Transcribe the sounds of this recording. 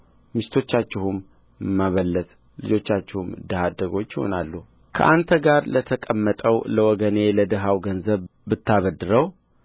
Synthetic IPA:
mist̪ʰo̞t͡ʃːat͡ʃːɪhum | mːaβəlːət̪ | lɨd͡ʒo̞t͡ʃːat͡ʃːɪhumd̪əhad̪əɡo̞t͡ʃːjɪho̞̰nalːu | kʰə̰ʔant̪ʰəɡaɾlət̪ʰəkʼəmːət̪ʼəwləwɔɡəne̞ləd̪əɦawɡənzəβbɨt̪ːaβəd̪ːɨɾəw

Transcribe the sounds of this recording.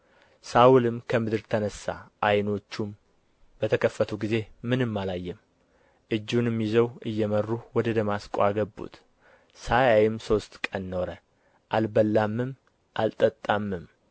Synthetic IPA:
saulɨmkʰəmɨd̪ɨɾt̪ʰənəsːa̰ʔajno̞t͡ʃːum | b̥ət̪ʰəkʰəfːət̪ʰuɡize̞mɨnɨmːalajːɛm | ʔɨd͡ʒːunɛmːizəwɨjːɛmərːuwɔd̪əd̪əmaskʼoaɡəbːṵt̪ | sajajɪmso̞st̪kʼənno̞ɾə | ʔalbəlːamːɨm | ʔalt̪ʼət̪ʼːamːɨm

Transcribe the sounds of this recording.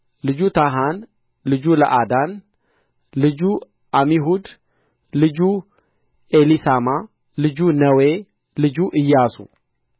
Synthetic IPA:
lɨd͡ʒut̪ʰaɦan | lɨd͡ʒulɐ̰ʔad̪an | lɨd͡ʒu | ʔamiɦud̪ | lɨd͡ʒu | elisama | lɨd͡ʒunɐwe | lɨd͡ʒuʔɨjːasṵ

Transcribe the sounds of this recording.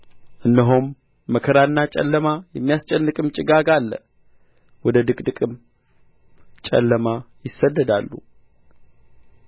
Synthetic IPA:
ʔɨndəɦomː | əkʰəɾanːat͡ʃʼɛ̰lːəmajɛmːijast͡ʃʼɛnːɨkʼɨmt͡ʃʼɪɡaɡalːə̰ | wɔd̪əd̪ɨkʼd̪ɨkʼɨm | t͡ʃʼɛ̰lːəmajɪsːəd̪ːəd̪alːṵ

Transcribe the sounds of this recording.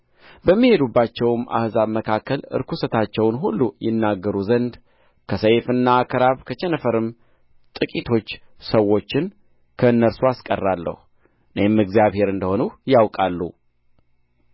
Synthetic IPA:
bəmːihe̞d̪ubːat͡ʃːɛwmʔa̰hzaβməkʰakːəlɨ̰ɾkʰusət̪ʰat͡ʃːɛwnɦulːujɪnːaɡːəɾuzənd̪ | kʰəsəjfɨnːaːkʰəɾaβkʰət͡ʃɛnəfəɾɨm | t̪ʼɨkʼit̪ʰo̞t͡ʃː | səwːo̞t͡ʃːɪn | kʰəɨnːəɾsuaskʼərːalːə̰hu | ʔɨnemɨɡzjaβhe̞ɾɨnd̪əho̞nujawkʼalːṵ

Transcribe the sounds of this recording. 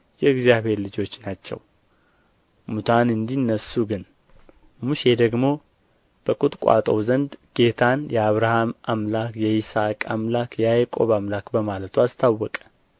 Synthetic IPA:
jɛɨɡzijaβe̞ɾlɨd͡ʒo̞t͡ʃːnat͡ʃːɛ̰w | mut̪ʰanɨnd̪inːəsuɡɨn | muʃed̪əɡmo̞ | b̥əkʼut̪ʼkʷʼa̰t̪ʼə̰wzənd̪ɡ̥e̞t̪ʰanjɛaβɾahamʔamlakjɛisakʼamlakjɛajkʼo̞̰βamlakbəmalət̪ʰuast̪ʰawːɔkʼə̥

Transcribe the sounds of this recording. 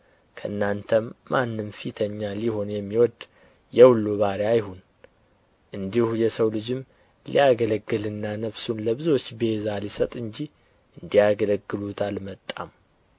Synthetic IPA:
kʰəʔɨnːant̪ʰəmːanːɨmfit̪ʰəɲːaliho̞njɛmːiwɔd̪ | jɛwulːuβaɾeajhun | ʔɨnd̪ihujɛsəwlɨd͡ʒɨm | lḭjaɡələɡːɨlɨnːanəfsunləβɨzwo̞t͡ʃːbe̞zalisət̪ʼɨnd͡ʒi | ʔɨnd̪ijaɡələɡːɨlut̪ʰalmət̪ʼːa̰m

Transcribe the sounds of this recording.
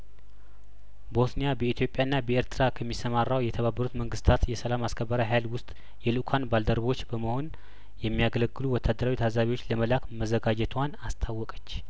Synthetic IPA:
bo̞snejabəit̪ʰjo̞pʼjaɨnːabəeɾt̪ʰɨɾakʰəmːisəmarːawjɛt̪ʰəβabːəɾut̪məŋɡɨst̪ʰat̪jɛsəlamaskʰəbːəɾaɦajlwʊst̪ʼ | jɛlukʰanbald̪əɾβo̞t͡ʃːbəməho̞n | jɛmːijaɡələɡːɨluwɔt̪ʰːad̪ːəɾawit̪ʰazaβiwot͡ʃːləməlakməzəɡad͡ʒɛt̪ʰwanast̪ʰawːɔkʼət͡ʃː

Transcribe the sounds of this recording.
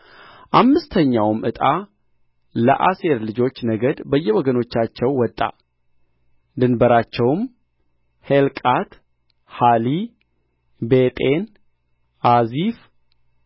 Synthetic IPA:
ʔamːɨst̪ʰəɲːawmʔɨt̪ʼa | lə̰ʔaseɾlɨd͡ʒo̞t͡ʃːnəɡəd̪bəjːɛwɔɡəno̞t͡ʃːat͡ʃːɛwːɔt̪ʼːa̰ | d̪ɨnbəɾat͡ʃːɛwm | helkʼat̪ | hali | bet̪ʼen | ʔazif

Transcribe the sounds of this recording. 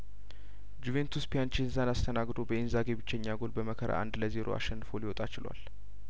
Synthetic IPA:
d͡ʒuve̞nt̪ʰuspjant͡ʃinzanast̪ʰənaɡd̪o̞bəinzaɡebɨt͡ʃːɛɲːaɡolbəməkʰəɾʔa̰ʔa̰nd̪ləze̞ɾʔo̰a̰ʃɛnːɨfolɪwɔt̪ʼat͡ʃɪlwa̰l

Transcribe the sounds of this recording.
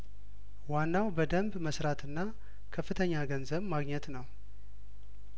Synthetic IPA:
wanːawbəd̪əmbməsɾat̪ʰɨnːa | kʰəfːɨt̪ʰəɲːaɡənzəβmaɡɲɛt̪nəw

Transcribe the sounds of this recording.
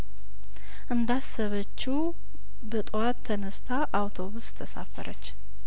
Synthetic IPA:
ʔɨnd̪asəβət͡ʃːu | bət̪ʼwat̪ʰːənəst̪ʰaʔawt̪ʰo̞βust̪ʰəsa̰fəɾʔət͡ʃː

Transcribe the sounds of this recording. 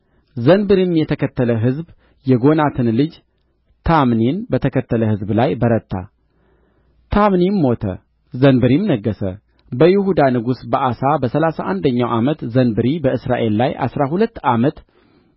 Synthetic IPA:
zənbɨɾimjɛt̪ʰəkʰət̪ːələɦɨzb | jɛɡo̞nat̪ʰɨnlɨd͡ʒ | t̪ʰamninbət̪ʰəkʰət̪ʰːələhɨzblajbəɾət̪ːa̰ | t̪ʰamnimːo̞t̪ʰə̰ | zənbɨɾimnəɡːəsə̰ | bəjɪhud̪anɨɡusbəʔasabəsəlasaʔand̪əɲːawʔamət̪zənbɨɾibəɨsɾaʔe̞lːajʔa̰sɾahulət̪ːamət̪

